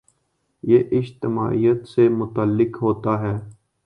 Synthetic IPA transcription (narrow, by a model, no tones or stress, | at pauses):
jeːʔɪd͡ʒt̪ɪma̰ːʔijət̪semʊt̪əlːɪkɦoːt̪aɦɛː